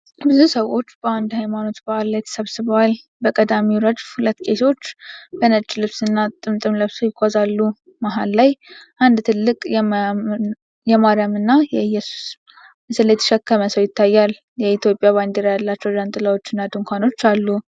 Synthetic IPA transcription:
bɨzusəwo̞t͡ʃːbəand̪hajmano̞t̪baʔalːajt̪ʰə̥səβsɨβəwal | bəkʼəd̪amiwɾəd͡ʒhulət̪ːkʼe̞so̞t͡ʃːbənət͡ʃʼːlɨβsɨnːat̪ʼɨmt̪ʼɨmlɨβsəwjɪkʰʷːazalːu | maɦallajʔand̪t̪ʰɨlːɨkʼjɛ | jɛmaɾjamɨnːajɛɨjːɛsu̥s | mɨsɨlːjɛt̪ʰə̥ʃɛkːəməsəwjɪt̪ːajːal | jɛit̪ʰjo̞pʼjaβand̪eɾajalːat͡ʃːɛwd͡ʒant̪ʼɨlawo̞t͡ʃːɨnːad̪ɨŋkʰʷano̞t͡ʃːalːu

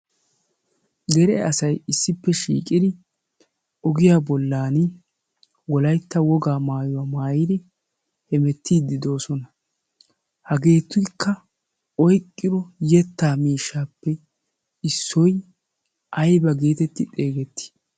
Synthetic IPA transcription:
ɡ̪ɛɾɛɐsɐjɪsːɪpːɛʃḭːkʼɪd̪ɪ | ɔɡɪjaːbɔlːaːnɪ | wɔlɐjt̪ːɐwɔɡaːmaːjʊwaːmaːjɪd̪ɪ | hɛmɛt̪ːiːd̪ːɪd̪o̞ːsɔnɐ | hɐɡe̞ːt̪ːʊkːɐ | ɔjkʼːɪɾɔjɛt̪ːaːmiːʃːaːpːɛ | ɪsːɔj | ɐjbɐɡe̞ːt̪ɛt̪ːɪt̪ʼe̞ːɡɛt̪ːɪ̥

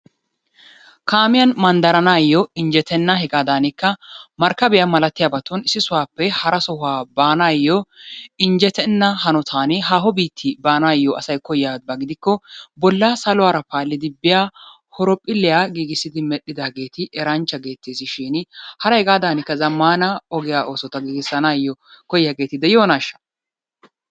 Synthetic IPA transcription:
kaːmɪjɐnmɐnd̪ɐɾɐnaːjːɔɪnd͡ʒɛt̪ʰɛnːɐɦɛɡaːd̪aːnɪkːɐmɐɾkːɐbɪjamɐlɐt̪ːɪjabɐt̪ɔnɪsɪsʊwaːpːɛhɐɾɐsɔhʊaːbaːnaːjːɔɪnd͡ʒɛt̪ɛnːɐhɐnɔt̪ʰaːnɦaːɦɔbiːt̪ʰːɪbaːnaːjːɔʔɐsɐjkɔjːaːbɐɡɪd̪ɪkːɔbɔlːaːsɐlʊwaːɾɐpaːlːɪd̪ɪbːɪjaː | hɔɾɔpʼːɪlːɪjaːɡiːɡɪsːɪd̪ɪmɛɗːɪd̪aːɡe̞ːt̪ɪʔɛɾɐnt͡ʃːɐɡe̞ːt̪ːeːsɪʃɪnhɐɾɐjɡaːd̪aːnɪkːɐzɐmːaːnɐɔɡɪjaːʔoːsɔt̪ɐɡiːɡɪsːɐnajːɔkɔjːaːɡe̞ːt̪ɪd̪ɛjoːnaːʃːɐ̥

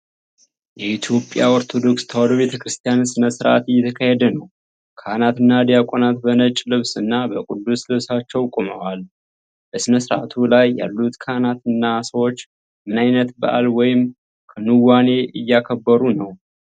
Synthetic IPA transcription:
jɛʔit̪ʰjo̞pʼjaoɾt̪ʰo̞d̪o̞kst̪ʰəwaloβe̞t̪ʰəkɾɨst̪ʰijansɨnəsɨɾʔa̰t̪ɨjːɛt̪ʰəkʰahed̪ənəw | kʰanat̪ɨnːad̪ijakʷʼonat̪bənət͡ʃʼlɨβsɨnːabəkʼud̪ːuslɨβsat͡ʃːɛwkʼoməwal | bəsɨnəsɨɾʔa̰t̪ʰulajːa̰lːut̪kʰanat̪ɨnːasəwo̞t͡ʃː | mɨnajnət̪bə̰ʔalwɔjɪm | kʰənɨwane̞ʔɨjːakʰəbːəɾunəw

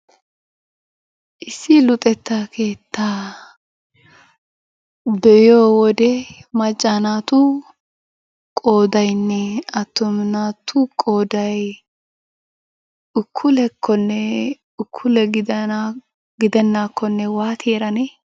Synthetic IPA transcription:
ʔɪsːɪlʊt̪ʼɛt̪ːakʰe̞ːt̪ːaː | bɛjoːwɔd̪ɛmɐt͡ʃʼːaːnaːt̪ʊ | kʼo̞ːd̪ɐjnːɛɐt̪ːɔmnaːt̪ʰʊkʼoːd̪ɐj | ʊkʰːʊlɛkʰːɔnːɛ | ʊkʰːʊlɛɡɪ | ɡɪd̪ɛnːakʰːɔnːɛwaːt̪ʰeːɾɐne

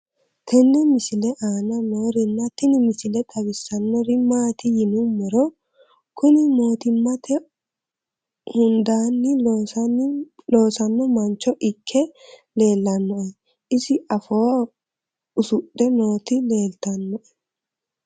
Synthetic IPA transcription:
t̪ʰɛnːɛmɪsɪlɛʔaːnɐnoːɾɪnːɐt̪ɪnɪmɪsɪlɛtʼɐbɪsːɐnːɔɾɪmaːt̪ɪjɪnʊmːɔɾɔ | kʊnɪmo̞ːt̪ɪmːɐt̪ɛ | hʊnd̪aːnːɪ | lo̞ːsɐnːɔmɐnt͡ʃːɔʔɪkʰːɛle̞ːlːɐnːɔʔɛ | ɪsɪʔɐfo̞ː | ʊsʊɗːɛno̞ːt̪ɪle̞ːlt̪ɐnːɔʔɛ̥

